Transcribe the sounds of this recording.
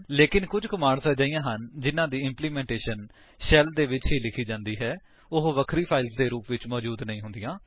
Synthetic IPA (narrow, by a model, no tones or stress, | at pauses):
leːkɪnkʊd͡ʒkʊmaːɽsəd͡ʒaːijãːɦənd͡ʒɪnãːd̪iːɪmpliːmɛ̃ːɳʈeːʃən | ʃɛːld̪eːʋɪt͡ʃɦiːlɪkʰiːd͡ʒãːnd̪iːɦɛː | ʊɦʋəkʰɾiːpʰaːɪlzd̪eːɾuːpʋɪt͡ʃmɔːd͡ʒuːd̪nəĩːɦʊ̃nd̪ijãː